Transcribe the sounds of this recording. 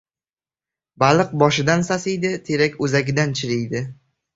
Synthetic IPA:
balˠɨq̚bɒʃɪd̪ansasɪjd̪ɪt̪ʰeɾakʲɵzaɡʲɪd̪ant͡ʃʰɪɾɪjd̪ɪ

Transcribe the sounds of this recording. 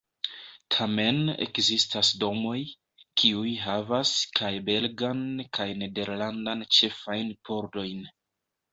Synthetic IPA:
tʰame̞nḛkzistasdo̞mo̞j | kʰiujɦavaskʰajbe̞lɡankʰajne̞de̞ɾlandant͡ʃe̞fajnpʰo̞ɾdo̞jn

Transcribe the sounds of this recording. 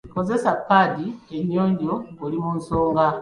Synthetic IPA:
ko̞ze̞sapːadieɲːoːɲɟoɡolimunsoːŋɡa

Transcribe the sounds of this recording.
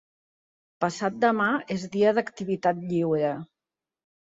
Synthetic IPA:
pəsat̪̚d̪əmaezðiəðəkt̪iβ̞it̪at̪̚ʎiwɾə

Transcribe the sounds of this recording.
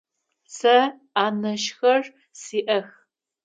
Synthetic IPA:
sɐ | aːnɐʃxɐr | siːʔɐx

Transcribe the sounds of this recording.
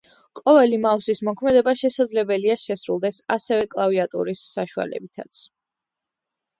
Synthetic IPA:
qʼɔvɛlimafsismɔkʰmɛd̪ɛbaʃɛsad̪zlɛbɛliaʃɛsɾulˠd̪ɛsasɛvɛkʼlˠaviat̪ʼṵɾisːaʃua̰lɛ̰bit̪ʰa̰t̪sʰ

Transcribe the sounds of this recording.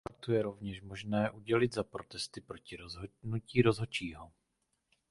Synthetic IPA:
aɾt̪ujɛɾo̞vɲɛʃmoʒnɛːʔuɟɛlɪd̪zapɾo̞t̪ɛst̪ɪpɾo̞cɪɾoznuciːɾo̞zɦo̞t͡ʃiːɦo

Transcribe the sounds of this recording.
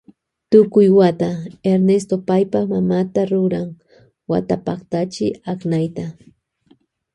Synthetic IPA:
t̪ʊkʊjwat̪aeɾnest̪opajpaχmamat̪aɾʊɾaŋ | wa̰t̪apaχt̪at͡ʃɪaknajt̪a

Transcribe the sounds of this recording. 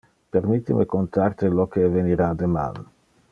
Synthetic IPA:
peɾmit̪ːimekont̪art̪elokeveniɾad̪ema̰l

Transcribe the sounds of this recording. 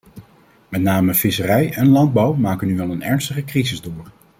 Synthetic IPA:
mɛtnaːməfɪsərɛjɛnlɑnd̚bɑwmaːkənyʋɛlˠənɛ̰ɹnstəχəkrizɪzdʊːɹ

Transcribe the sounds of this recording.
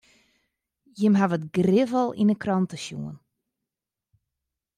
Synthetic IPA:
jəmɦavətɡrɪvəlˠḭnəkrɔntəʃjṵən

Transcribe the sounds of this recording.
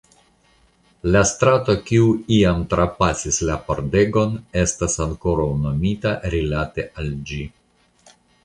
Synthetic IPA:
lastɾato̞kiuiamtɾapasislapoɾde̞ɡo̞ne̞stasaŋko̞ɾawno̞mitaɾilate̞ʔald͡ʒi

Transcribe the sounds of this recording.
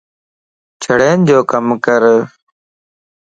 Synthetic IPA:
t͡ʃʰəɽeːnd͡ʒoːkəmkəɾ

